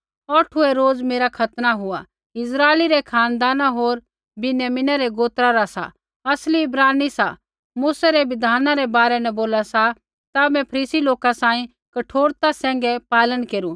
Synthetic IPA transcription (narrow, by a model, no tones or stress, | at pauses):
ɔʈʰʊeɾoːd͡zmeːɾakʰɐt̪naɦʊa | ɪsɾaːeliɾɛkʰaːnd̪aːnaɦoːɾ | bɪnjaːmɪnaɾɛɡoːt̪ɾaɾasa̰ | ɐsliɪbɾaːnisa̰ | muːsaɾeʋɪd̪ʱaːnaɾɛbaːɾɛnɛ̃boːlasa | t̪amɛ̃pʰɐɾiːsiloːkasãːĩ | kɐʈʰoːɾt̪asɛ̃ːŋ̆ɡɛpaːlənkeːɾũ